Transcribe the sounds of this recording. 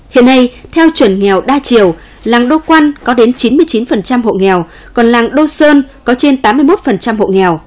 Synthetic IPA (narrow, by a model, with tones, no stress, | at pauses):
hḭ˧˨əna˧jt̪ʰɛ˧wt͡ɕwə˨˧˩nŋɛ˨˩wɗaː˧t͡ɕi˧˩˨əw | laː˨˩ŋɗo˧kwa˧nkɔ˨˦ɗe˨˦nt͡ɕi˨˦nmɨ˧əjt͡ɕi˨˦nfə˨˩nt͡ɕa˧mhɦo̰˧˨ŋɛ˨˩w | kɔ˨˩nlaː˨˩ŋɗo˧səː˧nkɔ˨˦t͡ɕe˧nt̪aː˨˦mːɨ˧əjmo˦˥t̚fə˨˩nt͡ɕa˧mɦo̰˧˨ŋɛ˨˩w